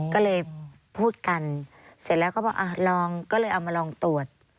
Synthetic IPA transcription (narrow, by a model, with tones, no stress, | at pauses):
kɔː˥˩lɤː˧j | pʰuː˥˩t̪̚ka˧n | si˨˧˦lɛː˦˥wkɔː˥˩bɔː˧˩ʔa˧˩lɔː˧ŋkɔː˥˩lɤː˧jʔa˨wmaː˧lɔː˧ŋt̪u˨˩ət̪̚